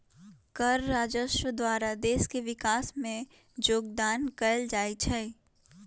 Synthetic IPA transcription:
kəɾːaːd͡ʒəʃwəd̪waːɾad̪eːʃkeʋɪkaːsmẽ | d͡ʒoːɡ̚d̪aːnkəld͡ʒaːit͡ʃʰɛː

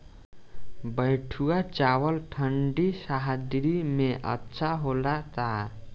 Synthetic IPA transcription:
bʌjʈʰuat͡ʃawʌlʈʰʌɳɖisaɦad̪iɾimeʔʌ̰tːsʰaɦolat̪a

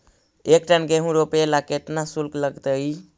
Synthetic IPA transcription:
ekʈənɡeɦũɾopelaket̪nasulkləɡt̪əj

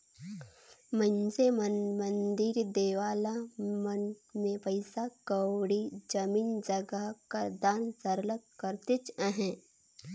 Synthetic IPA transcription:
mə̃nsemmə̃nd̪ɪɾd̪eːʋaːlamənmẽpəɪsakəwɽid͡ʒəmiːnd͡ʒəɡakad̪aːnsəɾləkkəɾt̪et͡ʃəɦɛ̃

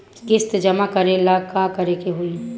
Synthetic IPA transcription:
kɪst̪d͡ʒɐmakəɾelaɡkakɐɾekeɦʊi

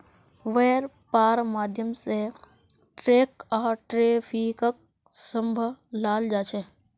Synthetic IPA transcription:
ʋeːɾ | paːɾmaːd̪ʱjəmse | ʈɾeːkaːʈɾeːfʰikək̚ | sə̃mbʱəlaːld͡ʒaːt͡ʃʰe

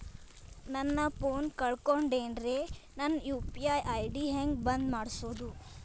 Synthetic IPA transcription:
nɐnːɐpʰoːnkɐɭkoɳɖeːnɾenɐnjuːpiajɐjɖiɦeŋɡbɐnd̪maːɽsoːd̪u

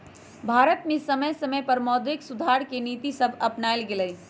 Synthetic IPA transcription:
bʱaːɾət̪mẽsɐməjsɐməjpɐɾmɔːd̪ʋɪksʊd̪ʱaːɾkeniːt̪isɐbʱɐpnaːɪlɡelə

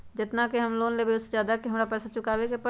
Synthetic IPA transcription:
d͡ʒɪt̪nakeɦɐmloːnlebeʊsezaːd̪akiɦɐmɾapɛːsat͡ʃʊkaːbekepɐ

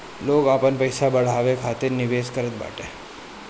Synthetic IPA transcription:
loːɡapənpəjsabəɽ̤aʋekʰat̪ɪɾnɪʋeskəɾət̪̚ba̰ːʈe

